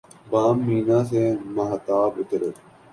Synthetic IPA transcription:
baːmːiːnãːs̬eːmaɦt̪aːbʊt̪ɾe

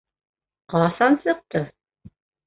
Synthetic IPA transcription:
qɑsɑnsɤ̆q̚t̪ɤ

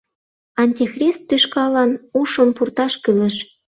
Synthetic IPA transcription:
ɑnʲt̪ʲixrʲist̪ːyʃkɑlɑnuʃonpurt̪ɑʃkyləʃ

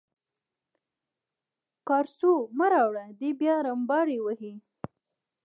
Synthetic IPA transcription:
kɑɾsuməɾɑwɽad̪ebjɑɾambɑɾiwəhi

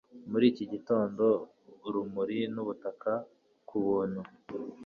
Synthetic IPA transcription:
muɾiːciɟito̞ːndo̞ | ɾumuɾinuβutaka | kuβuːn̥hu

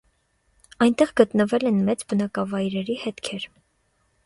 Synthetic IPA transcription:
ɑjnt̪ɛʁɡət̪nəvɛlɛnmɛt͡sbənɑkɑvɑjɾɛɾihɛt̪kʰɛɾ

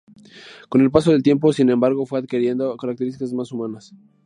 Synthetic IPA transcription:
ko̞ne̞lpas̬o̞ð̞e̞lt̪je̞mp̬o̞sinẽ̞mbaɾɣ̞o̞fweaðkiɾje̞nd̪okaɾak̚t̪e̞ɾist̪ikazmasumãnas

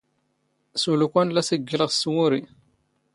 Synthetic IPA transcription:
sulukʷænlæsəɡːələʁswuɾi

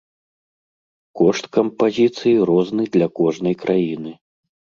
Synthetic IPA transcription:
kɔʂt̪kɐmpazʲit̪sɨjiɾɔznɨd̪lʲɐkɔʐnɐjkɾʔajinɨ

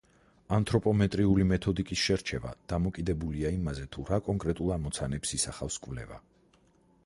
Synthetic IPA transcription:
ant̪ʰʼɾɔpʼɔmɛt̪ʼɾiulimɛt̪ʰɔd̪ikʼisʃɛɾt͡ʃʰɛva̰d̪̥amɔkʼid̪ɛbuliaimazɛt̪ʰuɾakʼɔŋkʼɾɛt̪ʼulˠamɔt̪sʰanɛpsisaχafskʼvlɛ̰va̰

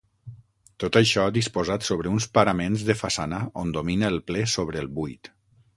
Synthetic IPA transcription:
t̪ot̪əʃɔaðispozat̪soβɾəunspəɾamenzðəfasanəond̪ominəːlˠplɛsoβ̞ɾəːlˠbujt̪

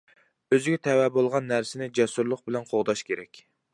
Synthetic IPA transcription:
øzɪɡʲɛt̪ʰɛwɛbolˠʁɑnːæɾsɪnɪd͡ʒɛsuɾlˠʊq̚bɪlɛnqʰoʁd̪ɑʃkʲʰeɾɛkʲ

